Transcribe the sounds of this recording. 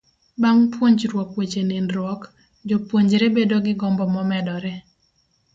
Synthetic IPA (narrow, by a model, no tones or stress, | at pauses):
baŋpwoɲd͡ʒɾwɔkwet͡ʃeninɾwɔk | d͡ʒopwoɲd͡ʒɾebedoɡɪɡɔmbɔmɔmɛdɔɾɛ